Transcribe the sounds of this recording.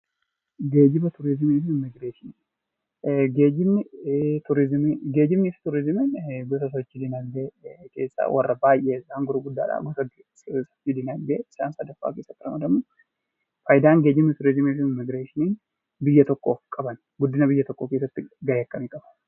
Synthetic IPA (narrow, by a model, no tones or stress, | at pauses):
ɡe̞ːd͡ʒɪbɐt̪ʊɾɪzɪmefɪnɪmɪɡɾeːʃɪnin | ɡeːd͡ʒɪmt̪ʰʊɾɪzmɡe̞ːd͡ʒɪmːɪft̪ʊɾɪzɪmɪnɡɔsɐs̬ɔt͡ʃːɪd̪ɪnɐlbeːkʰe̞̰ːsːa̰wʔɐrːɐbaːjʔeɪzaːŋɡʊɾʊɡʊd̪ːa̰ːᶑa̰ɡɔsɐɡ | sɔt͡ʃːɪd̪ɪnɐlbeːɪsa̰ːnsɐd̪ɐfa̰ːkeːsːɐt̪ːɪɾɐ̰mɐd̪ɐmːoː | fɐjd̪aːnɡe̞ːd͡ʒɪmt̪ʊɾɪzɪmefɪnɪmɪɡɾeʃɪnen | bɪjːɐt̪ɔkʼːoːfkʼɐbɐn | ɡʊd̪ːɪnɐbɪjːɐt̪ɔkʼːoːke̞ːsːɐt̪ːɪɡɐjɐkʼːɐmiːkʼɐbɐn